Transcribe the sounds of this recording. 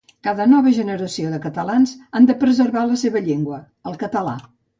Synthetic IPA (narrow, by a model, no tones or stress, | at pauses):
kaðənɔβəʒənəɾəsioðəkət̪əlanzand̪əpɾəzəɾβaləseβəʎeŋɡwə | əlˠkət̪əla̰